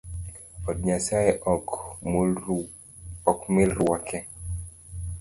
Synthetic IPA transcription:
ɔd̚ɲasajeʔ | ɔkmɪlɾwakʰɛ

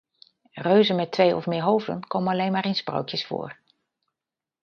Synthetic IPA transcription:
røɥzənmɛtʋejɔ̰fmɪːɹɦowvdə̰nkowmənɑlejnmaːɾɪnspro̰wkjəsfʊ̰ːɹ

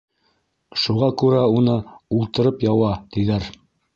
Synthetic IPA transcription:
ʃuʁɑkʉɾæunɤulˠt̪ɤ̆ɾɤpjɑwɑt̪iðæɾ

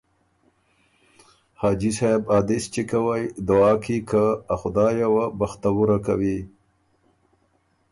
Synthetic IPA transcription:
hɑːd͡ʒisɑbɑːd̪ist͡ʃekawajd̪ʊɑːkʰikaaxʊd̪ɑjawabaxt̪awuɾakawi

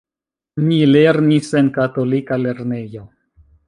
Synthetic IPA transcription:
nileɾnisenkato̞likale̞ɾne̞jo̞

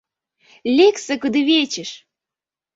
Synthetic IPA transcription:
lʲeksə̆kəd̪eβet͡ɕəʃ

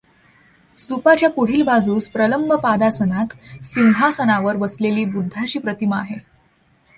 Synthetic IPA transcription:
st̪upat͡ɕjakoɽ̤iːlbad͡zuːspɾələmbʱəpad̪asənat̪siwɦasənaʋəɾʋəsleliːbud̪ʱːat͡ɕiːpɾət̪iməaɦe

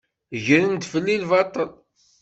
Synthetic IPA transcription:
ʝəɾənd̪fəlːilvɑt̪ˤːəl

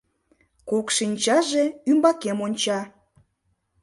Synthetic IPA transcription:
kokʃinʲt͡ɕɑʒeymbɑkemonʲt͡ɕɑ

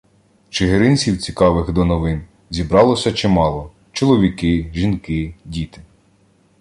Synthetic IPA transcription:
t͡ʃeɦeɾɪnʲt͡sʲiwt͡sʲi̥kɑʋɪxd̪ɔnɔʋɪn | zʲibɾɑlˠɔsʲɐt͡ʃɪmɑlˠɔ | t͡ʃɔlˠɔʋʲikɪʒinkɪdʲit̪ɪ̥

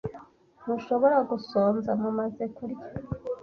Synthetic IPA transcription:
n̥uʃo̞βoɾaɡusoːnzamumazekuɾja

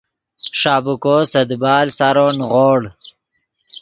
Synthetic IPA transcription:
ʂaːbukoːsɐd̪bɑːlsaɾonɣoːɽ

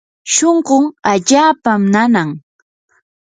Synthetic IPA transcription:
ʃoɴɢoŋaʎaːpamnanaŋ

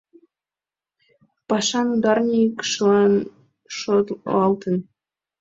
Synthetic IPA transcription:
pɑʃɑnud̪ɑrnʲikʃlɑn | ʃot̪ɑlt̪ə̆n

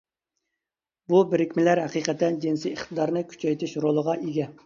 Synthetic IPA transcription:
bubɪɾɪkʲmɪlæɾhæqiqʰɛt̪ːɛnd͡ʒinsiəχt̪ʰɨd̪ɑɾnɨkʲʰy̥t͡ʃʰɛjt̪ʰɪʃɾolˠəʁɑʔeɡʲɛ

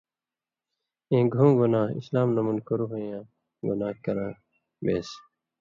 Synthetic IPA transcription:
ẽːɡʱũːɡonaːḭslaːmnɐmunkoɾuɦɐjãː | ɡṵnaːkɐɾãː | bḛːs

